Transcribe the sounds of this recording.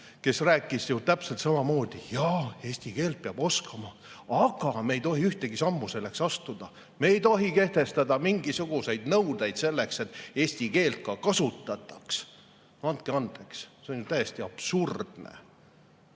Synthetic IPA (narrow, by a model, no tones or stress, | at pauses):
ke̞sræːkːˑisjut̪æpselt̪sɑmɑmo̞ːd̪̥ijɑe̞ːsʲt̪ike̞ːlt̪̚peɑb̥o̞skɑmɑ | ɑɡ̥ɑmejt̪o̞ɦiyht̪e̞ɡ̥isɑmːuse̞lːe̞ksɑst̪ud̪̥ɑ | me̞ːjt̪o̞ɦike̞ht̪e̞st̪ɑd̪ɑmiŋɡisuɡ̥use̞jd̪̥nɤwd̪̥ejd̪̥se̞lːe̞kse̞t̪ːˑe̞ːsʲt̪ike̞ːlt̪̚kɑkɑsut̪ːˑɑt̪ːˑɑks | ɑnt̪̚keɑnd̪̥e̞ksse̞onjut̪æjest̪iɑb̥surd̪̥nḛ